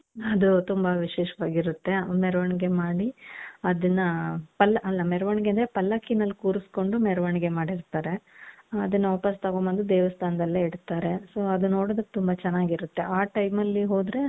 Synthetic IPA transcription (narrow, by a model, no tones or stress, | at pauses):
ɐd̪ut̪umbɐʋiʃeːʃɐʋaːɡiɾut̪ːe̞mɛɾʋɐɳiɡe̞maːɽiɐd̪ɐnːɐpɐlːɐʔɐlːɐmɛɾɐʋɐɳiɡeɐnd̪ɐɾepɐlːɐkinɐlːkuːɾusko̞ɳɖumɛɾɐʋɐɳiɡe̞maːɽiɾt̪aːɾe̞ɐd̪ɐnːɐʋɐːpɐst̪ɐɡoːmɐnd̪ud̪eːʋɐst̪ʰaːnɐd̪ɐlːeiɽt̪ːaːɾe̞so̞ːɐd̪unːo̞ːɽod̪ɐkːet̪umbɐt͡ʃɛnːaːɡiɾut̪ːe̞ʔaːʈɐjmɐlːiɦo̞ːd̪ɾe̞